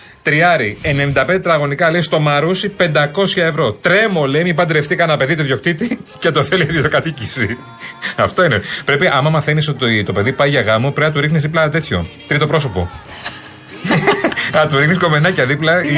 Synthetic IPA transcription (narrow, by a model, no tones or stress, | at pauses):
t̪ɾiɐɾienemind̪ɐpe̞nd̪et̪ɾɐɣo̞nikɐlest̪o̞mɐɾusipe̞nd̪ɐko̞sçɐe̞vɾo̞t̪ɾe̞mo̞lemipɐd̪ɾeft̪ikɐnɐpe̞ðit̪oðʝo̞kt̪it̪icet̪oθeliɐðiot̪okɐt̪icisi | ɐft̪o̞inepɾe̞piʔɐmɐmɐθenisot̪t̪t̪o̞pe̞ðipɐiʝɐɣɐmopɾeɐt̪uɾixnizðip̬lɐt̪e̞t̪ço̞̰t̪ɾit̪o̞pɾo̞so̞po | ɐt̪uɾixnisko̞menɐcɐðiplɐ